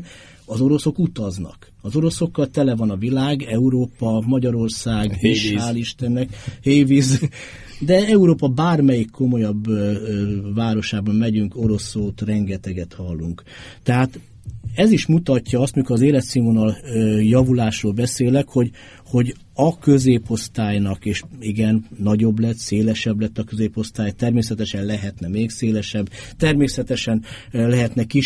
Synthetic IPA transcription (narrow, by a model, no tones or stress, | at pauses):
ɒzo̞ɾo̞so̞kut̪ɒznɒ̰k | ɒzo̞ɾo̞so̞kːɒlt̪ɛlɛvɒnɒvilaːɡɛuɾoːpɒmɒɟɒɾo̞rsaːɡeːʃaːliʃt̪ɛnːɛkheːviz | d̪ɛɛuɾoːpɒbaːrmɛjikʰːo̞mo̞jɒb | vaːɾo̞ʃaːbɒnmɛɟyŋko̞ɾo̞sːoːt̪rɛŋɡɛt̪ɛɡɛt̪hɒlːuŋk | t̪ɛɦaːt̪ | ɛziʃmut̪ɒcːɒɒst̪mikʰoɾɒzeːlɛt̪siːmonɒljɒvulaːʃroːlbɛseːlɛkho̞ɟ | ho̞ɟ | ɒkø̞zeːpo̞st̪aːjnɒkeːʃiɡɛnːɒɟo̞blɛt̪seːlɛʃɛblɛt̪ːɒkø̞zeːpo̞st̪aːjt̪ɛrmeːsɛt̪ɛʃɛnlɛɦɛt̪nɛmeːkseːlɛʃɛbt̪ɛrmeːsɛt̪ɛʃɛnlɛɦɛt̪nɛki